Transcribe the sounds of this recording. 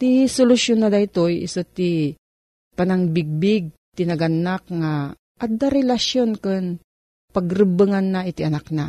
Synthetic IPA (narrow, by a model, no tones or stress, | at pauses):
t̪isolʊsjonːad̪ajt̪ojɪ̰sot̪i | panaŋbiɡ̚bɪɡ̚t̪inɐɡanakŋa | ʔɐd̪aɾɛlaʃjonkɨn | pɐɡɾɨbɨŋanːaʔɪt̪iʔɐnak̚na